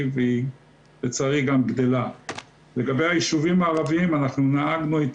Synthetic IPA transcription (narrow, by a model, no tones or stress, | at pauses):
vei | jet͡saʁiɡamɡd̪e̞la | leɡabejhajiʃuvimaːʁaviimanaχnunaaɡnuit